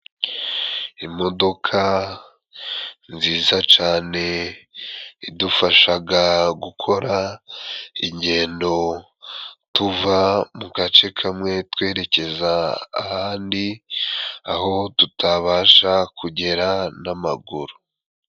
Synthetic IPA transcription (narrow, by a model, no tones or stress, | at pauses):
imo̞do̞kʰa | nziːzat͡ʃaːne̞ | idufaʃaɡaɡukʰo̞ɾa | iɲɟe̞ːndo̞ | tuvamukat͡ʃe̞kʰamŋe̞twe̞ːɾe̞ce̞za̰ːhaːndi | aho̞tutʰaβaːʃakʰuɟe̞ɾanama̰ɡuɾu